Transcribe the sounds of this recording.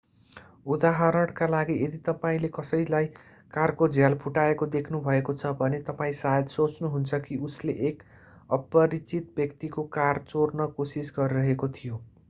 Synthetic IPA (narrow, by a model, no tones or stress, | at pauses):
ud̪aɦʌɾʌɽkalaɡiʔed̪it̪ʌpaĩlekʌsʌjlaj | karkod͡zʱjalpʰuʈaekod̪ekʰnubʱʌekot͡sʰʌbʱʌnet̪ʌpaĩsajʌd̪sot͡snuɦunt͡sʰʌkiusleʔek | ʌpʌɾit͡sit̪̚bjʌkt̪ikokart͡sornʌkosisɡʌɾiɾʌɦekot̪ʰijo